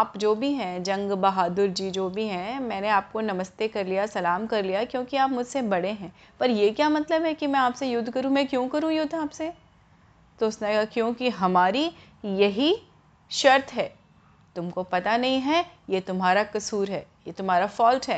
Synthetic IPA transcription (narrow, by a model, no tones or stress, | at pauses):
aːpd͡ʒoːbʱiɦɛ̃d͡ʒɐ̃ŋɡbɐɦaːd̪ʊɾd͡ʒid͡ʒoːbʱiɦɛ̃mɛ̃ːneaːp̚konɐməst̪ekɐɾlijasɐlaːmkɐɾlijakjõːkiaːpmʊd͡ʒʱsebɐɽ̤eɦɛ̃ː | pɐɾjekjaːmɐt̪ləbɦɛkimɛ̃aːpsejʊd̪ʱːkɐɾũmɛ̃kjõːkɐɾũjʊd̪ʱaːpse | t̪oʊsneakjõːkiɦɐmaːɾi | jɐɦi | ʃɐɾt̪ɦɛː | t̪ʊmkopɐt̪anɐɦĩɦɛjeːt̪ʊmɦaːɾakɐsuːɾɦɛː | jeːt̪ʊmɦaːɾafɔːlʈɦɛː